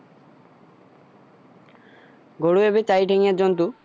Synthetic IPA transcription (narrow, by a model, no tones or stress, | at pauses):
ɡoɽuebet͡ɕajʈʰeŋad͡ʑont̪u